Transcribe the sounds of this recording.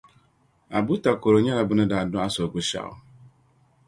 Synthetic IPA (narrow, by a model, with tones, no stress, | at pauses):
a˨bʊ˦ta˨ko˨ɾo˨ɲa˦ɾa˨bʊ˦nʊ̃˦da˨a˨dʊ˦a˦sɔ˨ɡʊ˦ʃa̰˨ʊ̰˨